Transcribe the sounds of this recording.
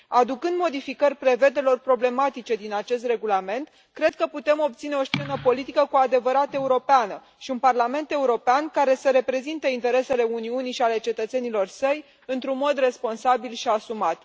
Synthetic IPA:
ad̪ukɨnd̪mo̞d̪ifikərʲpɾe̞ve̞d̪e̞lo̞rpɾo̞ble̞mat̪it͡ʃe̞d̪inat͡ʃe̞s̬t̪re̞ɡulame̞nt̪ | kɾe̞d̪̚kəput̪e̞mo̞bp̚t̪sine̞o̞st͡ʃe̞nəpo̞lit̪ikəkuad̪e̞vəɾat̪e̞uɾo̞peanə | ʃiunparlame̞nt̪e̞uɾo̞peankaɾe̞səɾe̞pɾe̞zint̪eint̪e̞ɾe̞se̞le̞uniuniʃiale̞t͡ʃe̞t̪ət̪se̞nilo̞rsəj | ɨnt̪ɾunmo̞d̪re̞spo̞nsabilʃiasumat̪

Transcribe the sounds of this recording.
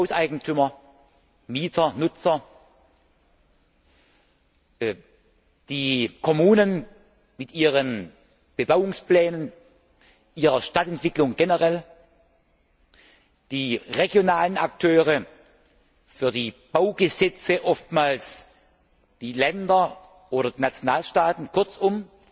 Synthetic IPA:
haʊsaɪɡŋ̩tʰʏmɐ | miːtʰɐnʊt͡sɐ | d̥iːkʰɔmuːnən | mɪtʔiːʁən | b̥əbaʊʊŋsplɛːnən | ʔiːʁɐʃtatɛntv̥ɪklʊŋɡenəʁɛl | d̥iːʁeɡjonaːləna̰k̚tʰøːʁə | fyːɐdiːb̥aʊɡəzɛt͡səʔɔftmaːls | d̥iːlɛndɐ | ʔoːɾɐd̥iːnat͡sjonaːlʃtaːtn̩kʰʊɐt͡sʊm

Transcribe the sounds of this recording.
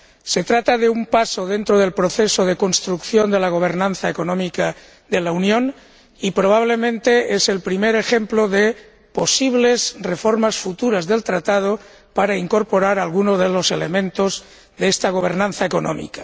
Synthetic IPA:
se̞t̪ɾat̪aðeumpasoðe̞nt̪ɾoðe̞lpɾoθesoðe̞ko̞nst̪ɾukθjond̪e̞laɣ̞o̞β̞eɾnãnθaeko̞nõmika | ðe̞launjõ̞n | ipɾo̞β̞aβ̞le̞mẽnt̪e̞ese̞lpɾimeɾexemploðe | po̞siβ̞le̞zrefo̞ɾmasfut̪uɾazðe̞lt̪ɾat̪að̞o | paɾaiŋko̞ɾpo̞ɾaɾalɣunozðelo̞se̞lemẽnt̪oz | ðeest̪aɣ̞o̞β̞e̞ɾnãnθaeko̞nõ̰mḭkḁ

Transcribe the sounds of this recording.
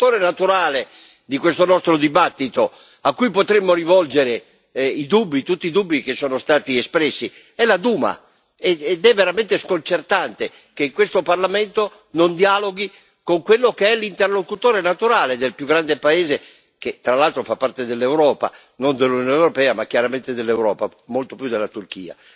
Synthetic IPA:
t̪oːɾenat̪uɾaːle | d̪ikwest̪onɔst̪ɾod̪ibat̪ːit̪o | akːujpot̪ɾemːoɾivɔld͡ʒeɾe | id̪ubːit̪ut̪ːiːd̪ubːikesːɔːnost̪aːt̪iespɾɛsːi | ɛlad̪uːma̰ | ɛd̪ɛvːeɾament̪eskont͡ʃert̪ant̪e | keiŋkwest̪oparlament̪o | nond̪ialoɡi | koŋkwelːokeɛlint̪erlokut̪oːɾenat̪uɾaːled̪elpjuɡːɾand̪epaeːze | ket̪ːɾalalt̪ɾofapːaɾt̪ed̪elːewɾɔːpa̰ | nond̪elːunonewɾopɛːamakjaɾament̪ed̪elːewɾɔ̰ːpamolt̪opjud̪elːat̪urk̟ḭːa̰

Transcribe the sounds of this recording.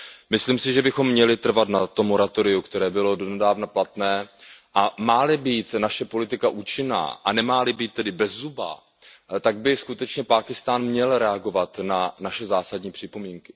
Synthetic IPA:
mɪsliːmsɪʒɛbɪxo̞mːɲɛlɪt̪r̩vat̪nat̪omːo̞ɾat̪o̞ɾɪukt̪ɛɾɛːbɪlo̞do̞nɛdaːvnaplat̪nɛːʔamaːlɪbiːt̪naʃɛpo̞lɪt̪ɪkaʔuːt͡ʃɪna̰ːʔa̰nɛmaːlɪbiːt̪̚ːɛdɪbɛzːuba̰ | t̪aɡ̚bɪskut̪ɛt͡ʃɲɛpaːkɪst̪aːnmɲɛlɾɛaɡo̞vat̪nanaʃɛzaːsadɲiːpr̥ɪpo̞miːŋkɪ̥

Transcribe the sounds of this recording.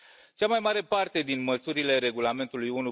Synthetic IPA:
t͡ʃamajmaɾe̞part̪e̞d̪inməsuɾile̞ɾe̞ɡulame̞nt̪ulujunu

